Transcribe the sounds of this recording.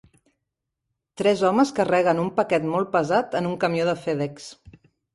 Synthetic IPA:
t̪ɾɛzɔməskərɛɣ̞ənumpəkɛt̪mɔlˠpəzat̪ənuŋkəmjoðəfɛðɛks

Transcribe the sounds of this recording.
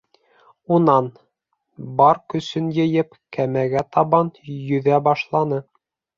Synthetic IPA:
unɑn | bɑɾkɵ̆sɵnjɤ̆jɘp | kæmæɡæt̪ɑβɑnjɵ̆ðæbɑʃlˠɑnɤ

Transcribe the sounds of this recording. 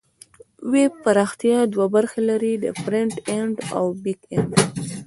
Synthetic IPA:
wepaɾɑxt̪ijɑd̪wabaɾxelaɾid̪ə̰fɾɪɳʈeɳɖa̰wbiɡeɳɖ

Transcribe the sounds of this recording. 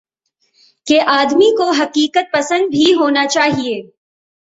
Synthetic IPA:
keʔaːd̪mikoɦɐqiːkət̪̚pɐsə̃nd̪̚bʱiɦoːnat͡ʃaːɦieː

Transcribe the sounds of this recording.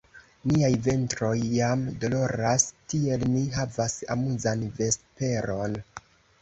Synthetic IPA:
niajve̞ntɾo̞jːamdo̞lo̞ɾastie̞lniɦavasa̰muzanve̞spe̞ɾo̞n

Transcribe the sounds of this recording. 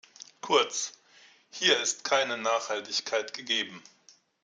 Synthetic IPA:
kʰʊɐt͡s | hiːɐɪstkʰaɪnənaːχhaltɪçkʰaɪtɡ̥əɡeːbm̩

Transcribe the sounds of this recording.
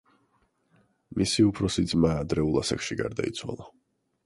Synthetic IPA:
misiupʰɾɔsid̪zmaːd̪ɾɛulˠasakʃiɡa̰ɾd̪a̰it̪sʰwa̰lˠa

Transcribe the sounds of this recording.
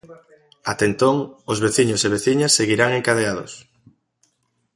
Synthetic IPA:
at̪ent̪oŋozβeθiɲʊseβ̞eθiɲasːeɣiɾaŋeŋkað̞eaðo̰s

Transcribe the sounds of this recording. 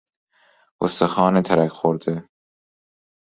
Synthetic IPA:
o̰st̪exɒːnet̪ʰæɾækxoɾd̪e

